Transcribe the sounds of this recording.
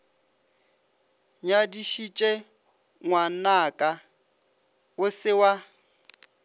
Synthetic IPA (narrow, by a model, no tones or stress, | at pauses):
ɲadiʃit͡ʃʼɛ | ŋwanakʼa | ʊsɪwa